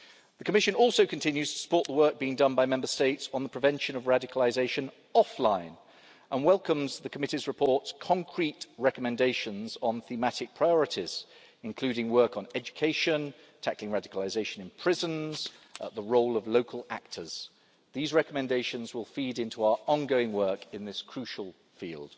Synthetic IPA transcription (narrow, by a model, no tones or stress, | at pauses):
ðəkʰəmɪʃɨ̃nɔˑlˠsoʊkʰə̃ntʰɪ̃njʉz̥tʰə̥sə̥pɔˑʔ̪ðəwɜ˞k̚b̥iːɪ̃ŋdʌ̃nbaɪmɛ̃mbəsteɪtsn̩ðəpʰɹ̥ɨvɛ̃nʃə̃nəvɹadɪkəlɪzeɪʃə̃n | ɒflãɪ̃n | ʔə̃nwɛlˠkə̃mzðəkʰəmɪtizɹɨpʰɔɹtskʰɒ̃ŋkʰɹ̥itɹɛkəmɛ̃ndeɪʃə̃nzn̩θimatɪk̚pʰɹ̥aɪɔɹɨtiz̥ | ɨ̃nkʰl̥ʉɾɪ̃ŋwɜ˞kn̩ɛd͡ʒɨkʰeɪʃə̃n | tʰaklɪ̃ŋɹadɪkəlɪzeɪʃɨ̃nɨ̃npʰɹ̥ɪzə̃nz̥əʔ̪̚ðəɹoʊlˠəvloʊkʰəlˠak̚tʰəz̥ | ðizɹɛkəmɛ̃ndeɪʃə̃nzwɪlˠfiɾɪ̃ntʰuaʊəɹʔɔ̃nɡoʊɪ̃ŋwɜˑ˞kɪ̃nðɪskʰɹ̥ʉʃəlˠ | fḭːlˠd̥